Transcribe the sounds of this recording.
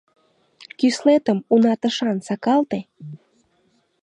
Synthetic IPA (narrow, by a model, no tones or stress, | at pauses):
kyslet̪əmunɑt̪ə̆ʃɑnsɑkɑlt̪e